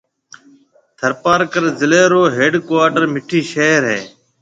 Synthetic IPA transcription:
t̪ʰəɾpaːɾkəɾzɪleːɾoːɦeːɖkʋaːʈəɾmɪʈʰiːʃeːɾɦeː

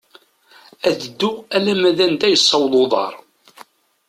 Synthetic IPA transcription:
æðəd̪ːuælæmæðænd̪æjəsˤːɑwðˤoðˤɑ̰ɾˤ

